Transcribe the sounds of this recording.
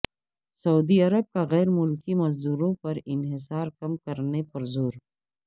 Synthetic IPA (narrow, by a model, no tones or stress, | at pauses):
sɐuːd̪iɐɾəb̚kaɣɛːɾmʊlkimɐzd̪uːɾõpɐɾɪnɦɪs̬aːɾkɐmkɐɾnepɐɾzoːɾ